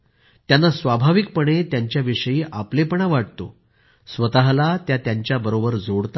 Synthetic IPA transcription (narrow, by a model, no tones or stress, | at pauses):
t̪janːasʋabʱaʋik̚pəɳ̃et̪jaɲt͡ɕjaʋiʂəjiːʔaplepəɳaʋaʈt̪o̰ | sʋət̪aɦlat̪jat̪jaɲt͡ɕjabəɾobəɾd͡zoɽt̪a